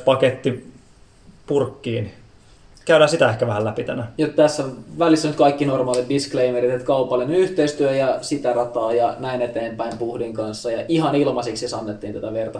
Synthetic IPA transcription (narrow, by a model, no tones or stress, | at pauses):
pɑket̪ːi | purkːiːn | kæyɾæːsit̪æehkæʋæhælæpit̪ænæjot̪t̪æsːæʋælisːænyt̪̚kɑikːinormɑːlit̪̚diskleimerit̪et̪kɑupɑlːinenyht̪eist̪yøjɑsit̪ærɑt̪ɑːjɑnæinet̪eːmpæimpuhdiŋkɑnsːɑjɑʔiɦɑnilmɑsiksesɑnːet̪ːiːnt̪æt̪æʋert̪ɑ